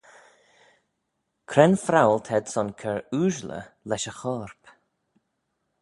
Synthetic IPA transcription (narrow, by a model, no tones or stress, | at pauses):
kʰɾɛnfɾawlt̪ʰɛd̪sɔnkʰɛɹuːʒlə̰lɛʃəxɔːɹp